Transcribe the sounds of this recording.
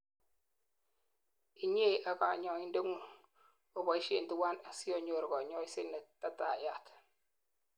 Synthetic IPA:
i˨ɲe˦˨ʔa˨ka˨ɲɔ˨i˦nde˦ŋu˦˨ | o˨ba˨i˦ʃe˦˨nti˦wa˦na˨si˦o˦ɲo˨ɾɡɔ˨ɲɔ˦i˦sɪ˦nɛ˨ta˦ta˨ja˦˨t

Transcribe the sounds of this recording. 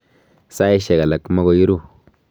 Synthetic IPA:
sa˦i˦ʃɛ˨ɡa˨la˨kːma˦ɡo˨ji˦ɾu˦˨

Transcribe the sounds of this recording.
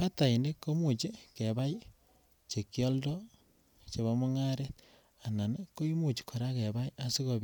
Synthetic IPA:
pa˦ta˨i˨nde˦kːo˦mu˨t͡ʃe˦ke˨βa˦i˦ | t͡ʃe˨kjɔ˦ldɔ˦ | t͡ʃe˨βa˦mo˦ŋa˦ɾet̪̚ | a˨na˨neko˦i˦mu˨t͡ʃi̥˨kʰo˨ɾa˦ke˨βa˦i˦ʔa˦si˦ko˨b

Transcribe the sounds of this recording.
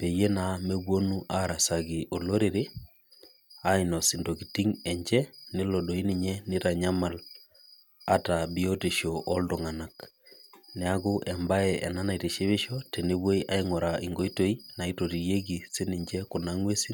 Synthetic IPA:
pe˨je˦na˨me˦bwo˦nu˦ʔaɾa˨sa˨ɡɪ˨ʔo˨lo˦ɾe˨ɾe˦ | a˦i˨nɔ˨sɪ˨ndo˨ki˨ti˦ŋɛ˨ɲd͡ʒɛ˦nɪ˦lɔ˨ɗo˨i˦nɪ˨ɲɛ˦nɪ˦ɾa˨ɲa˦ma˨l | a˦ta˨bi˦o˦te˨ʃo˨ʔɔ˦ldɔ˨ŋa˨na˨k | nɛ˨a˦ɡʊ˦ʔɛ˨mba˦ɛɛ˨na˦na˨i˨te˨ʃe˦βɪ˦ʃɔ˦te˨ne˦bwo˦iʔa˦iŋɔ˨ɾa˨i˨ŋɡo˦i˦to˦i˦na˨i˦to˨ti˨je˦ɡi˨se˦ni˨ɲd͡ʒɛ˦kʊ˨na˦ŋwe˦si˦

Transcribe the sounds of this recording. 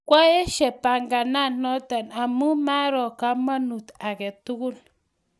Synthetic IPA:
kʷa˦je˦ʃe˨pa˨ŋɡa˨na˦˨nno˦t̪a˨na˨mu˦ma˦ɾo˨ka˦ma˦nu˨t̪a˨ke˨t̪u˦ɡu˦l

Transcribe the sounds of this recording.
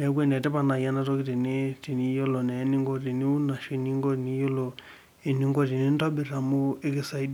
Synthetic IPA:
ɛ˨˦k̬wɛ˦ndɛ˨tɛ˦pa˦˨na˨ja˦na˦tɔ˦ki˦ti˨ni˦ti˨ni˦jɔ˦lɔ˨nɛ˨˦ni˦ŋɡɔ˦ti˨ni˦u˦na˨ʃi˨˦ni˦ŋɡɔ˦ti˨ni˦jɔ˦lɔ˨ | e˨ni˦ŋɡɔ˦ti˨ni˦n˦ta˦ɓi˨ɾa˨mu˦e˦ki˦sa˦i˦d

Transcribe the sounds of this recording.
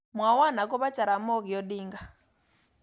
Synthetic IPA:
mwa˨wa˦˨na˨kɔ˦βa˦t͡ʃʼa˨ɾa˨mɔ˦ki˨jɔ˦ɗiː˦ŋɡa˨

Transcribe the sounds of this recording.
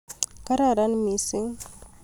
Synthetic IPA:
ka˦ɾa˦˨ɾa˦nmi˨si˦ŋ

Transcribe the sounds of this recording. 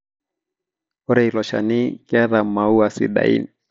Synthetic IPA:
ɔ˦ɾɛ˨ilɔ˨ʃa̰˨ni˦kɛ˦ða˨ma˨u˦a˨sḭ˨ɗa̰˨ḭ˦ni

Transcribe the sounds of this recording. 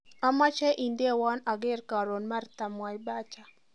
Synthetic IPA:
a˦ma˦t͡ʃɛ˦ʔi˨nde˦wa˦na˨ɡɪ˦rka˨ɾo˨nma˦rt̪a˨mwa˨jba˦t͡ʃa˨

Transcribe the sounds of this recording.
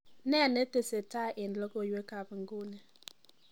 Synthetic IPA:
nɛ˦˨ne˦te˨se˨ta˦˨ʔɪ˨n˨lo˦ko˦˨je˦ka˨bŋ̩˨ɡo˦ne˨

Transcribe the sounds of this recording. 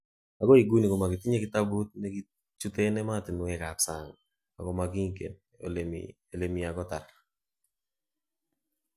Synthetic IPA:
a˨ɡɔ˦i˨ɡu˦ni˨kɔ˨ma˨ɡɪ˨tɪ˦ɲe˦ɡɪ˦t̪a˦bu˦t̪̚nɛ˦ɡi˦ | t͡ʃu˦t̪e˦nɛ˦ma˦˨tɪ˨nʊ˨ɛ˨ka˨psa˨ŋ | a̰˨ɡɔ˦ma˨ɡi˦ŋ˦kḛ˨n | l̰ | e˨le˨mi˨a˨ɡɔ˦ta˨r

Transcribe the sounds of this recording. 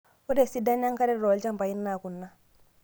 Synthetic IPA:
u˦de˦˨si˦da˦ɲa˦ŋka˦ɾɛ˦ɾo˨lt͡ʃa˦mba˨i˦nːa˨ku˨nːa˦

